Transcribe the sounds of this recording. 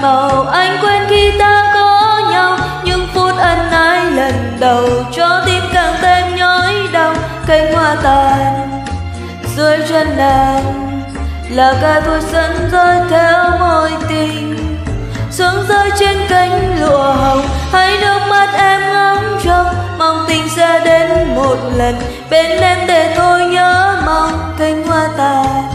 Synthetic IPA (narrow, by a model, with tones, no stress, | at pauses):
ma˨˩wʔa˧jŋ̟kwe˧nki˧t̪aː˧t̪ɔ˨˦ɲa˧wɲɨ˧˥ŋfu˧˦t̚ʔə˧˩nːaː˧˦jlə˨˩nɗə˨˩wt͡ɕɔ˧˦t̪i˧mkaː˨˩ŋt̪e˧mɲɔ˧˦jɗə˧˩w | kə˧˩ŋ̟hwaː˧˩t̪aː˧˩n | zə˧˦jt͡ɕwɛ˧nlaː˧˩n | laː˨˩kaː˧˩jt̪ʰu˧˩k̚sə˨˦nzə˧jt̪ʰɛ˨˧˦wmɔ˧˩jt̪i˧ŋ | su˨˦nzəː˧jt͡ɕe˧nki˧jŋ̟lṵ˧˨əɦə˨˩whə˧˦jɗə˨˧˩k̚ma˨˦˥t̚ʔɛ˧mŋa˨˦mt͡ɕə˧ŋ͡m̚ma˨˧˩wŋ͡mt̪ï˧˩ŋ̟saː˧ɗe˨˦nmo˨˩t̚lə˨˩n | ɓe˨˦nɗɛ˧mɗe˨˩t̪ʰo˧jɲəː˧˨˦ma˧˩wŋ͡m | ki˧jŋ̟hwaː˧t̪aː˧˨˩